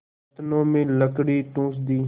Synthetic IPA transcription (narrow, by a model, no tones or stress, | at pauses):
t̪nõːmẽːləkɽiːʈ̪ũːs̬d̪iː